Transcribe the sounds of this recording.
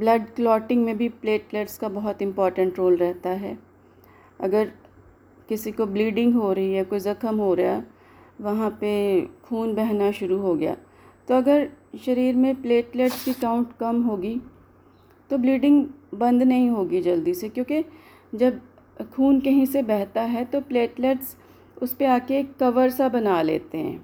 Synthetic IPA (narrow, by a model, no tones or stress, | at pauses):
blɐɖklɔːʈɪ̃ŋɡmẽbʱipleːʈleːʈskabɐɦʊt̪ɪ̃mpɔːɾʈə̃ɳʈɾoːlɾɛɦt̪aɦɛː | ɐ̰ɡəɾ | kɪsikobliːɖɪ̃ŋɡɦoɾɐɦiakoːizɐkəmɦoɾɐjaː | ʋɐɦãpekʰuːnbɛɦnaʃʊɾuɦoɡɐja̰ː | t̪oɐɡəɾʃɐɾiːɾmẽpleːʈleːʈskikaːʊ̃ɳʈkɐmɦoːɡi | t̪obliːɖɪ̃ŋɡbɐ̃nd̪nɐɦĩɦoːɡid͡ʒɐld̪isekjõːke | d͡ʒɐb | kʰuːnkɐɦĩsebɛɦt̪aɦɛt̪opleːʈleːʈs | ʊspeaːkekːɐʋəɾsabɐnalḛːt̪eɦɛ̰̃ː